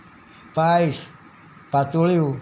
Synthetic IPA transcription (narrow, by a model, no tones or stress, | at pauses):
pais | pat̪uliu